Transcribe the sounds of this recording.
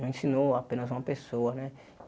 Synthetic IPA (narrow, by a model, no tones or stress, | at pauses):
ẽsĩnoapẽnɐzũmɐpesoɐnɛ